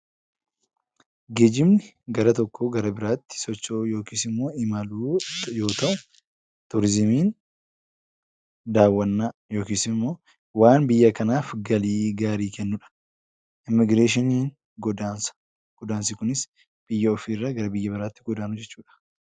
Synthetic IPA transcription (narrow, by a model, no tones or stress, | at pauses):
ɡeːd͡ʒɪmnɪ | ɡɐɾɐt̪ɔkːoɡɐɾɐbɪɾaːt̪ːɪ̥sɔt͡ʃːoːjo̞ːkiːsɪmːo̞ːɪmɐluːjo̞ːt̪ɐʔʊ | t̪ʊɾɪzɪmiːn | d̪aːwːɐnːaːjo̞ːkiːsɪmːo̞ː | waːnbɪjːɐkɐnaːfɡɐliːɡaːɾiːkɛnːʊᶑɐ̥ | ɪmːɪɡɾeːʃ̬ɪniːn | ɡɔd̪as | ɡ̥ɔd̪aːnsɪkʊnɪs | b̥ɪjːɐɔfiːɪrːaːɡɐɾɐbɪjːɐbɪɾaːt̪ːɪɡɔd̪aːnʊd͡ʒɛt͡ʃːuːᶑɐ̥